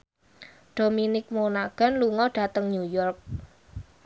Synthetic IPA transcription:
ɖ̥ominɪk̚monaɡ̥a̤nluŋɔɖ̥a̤t̪əŋɲujɔrk̚

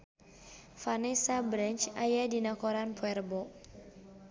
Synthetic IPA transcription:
fanɛsabɾɛnt͡ʃajadinakɔɾanpʰwɛrbɔ

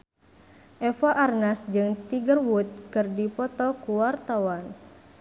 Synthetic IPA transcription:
ʔɛfaʔarnasd͡ʒɨŋt̪iɡərwut̪̚kɨrdipɔt̪ɔkuwart̪awan

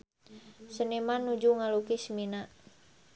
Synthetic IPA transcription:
sənimanːud͡ʒuŋalukismina

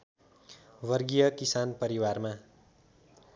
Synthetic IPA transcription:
wʌrɡijʌkisanpʌɾiwarma

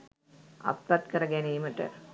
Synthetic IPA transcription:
ɐ̰p̪ːɐt̪kəɾəɡæniːməʈə̰

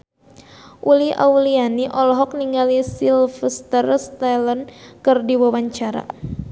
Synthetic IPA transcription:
ʔuliʔa̰ulianiʔɔlɔɦɔk̚niŋɡalisilfəst̪ərst̪alɔnkɨrdiwawaɲt͡ʃaɾa̰

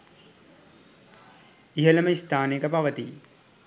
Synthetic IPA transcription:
iɦələməist̪aːnekəpaʋət̪i

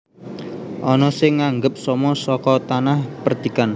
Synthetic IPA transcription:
ʔɔnɔsɪŋːaŋɡəp̚sɔmɔsɔkɔt̪anahpərd̪ikan

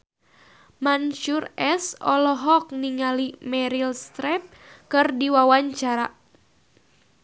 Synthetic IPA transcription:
manʃurɛsɔ̰lɔɦɔk̚niŋalimɛɾilst̪ɾɛp̚ | kɨrdiwawaɲt͡ʃaɾa

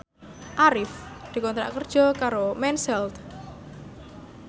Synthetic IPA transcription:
ʔaɾɪfd̪̥i̤kɔnt̪ɾa̰ʔkərd̥ʒ̥ɔkaɾomɛnsɛlt̪

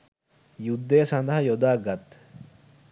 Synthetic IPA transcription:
jud̪ːejːsand̪ɐɦɐjod̪aːɡat̪ː

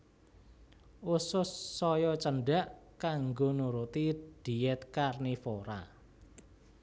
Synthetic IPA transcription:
ʔusʊsːɔjɔt͡ʃəɳɖaʔkaŋɡonuɾut̪iɖ̪̥i̤ɛt̪̚karnifoɾa̰

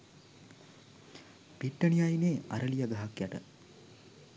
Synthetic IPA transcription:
piʈːənijajneːa̰ɾəlijaɡ̪aɦakjaʈə̰

